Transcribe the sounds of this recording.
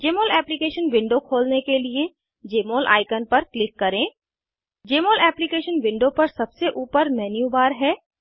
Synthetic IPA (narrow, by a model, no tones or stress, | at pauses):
d͡ʒeːmoːlɛːplɪkeːʃənʋɪ̃ɳɖokʰoːlnekelie | d͡ʒeːmoːlʔa̰ːɪkənpɐɾklɪkːɐɾẽː | d͡ʒeːmoːlɛːplɪkeːʃənʋɪ̃ɳɖopɐɾsɐbseʔuːpəɾmɛːnjuːbaːɾɦɛː